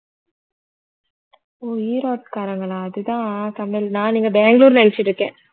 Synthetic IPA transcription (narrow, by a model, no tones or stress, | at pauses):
oːiːɾoːʈ̚kaːɾɐŋɡɐɭaɐðɯt̪ãːsɐmːɛlnãːniːŋɡɐbeːŋɡɭuːɾlɐjɪt͡ʃːɪʈɾɯkːẽː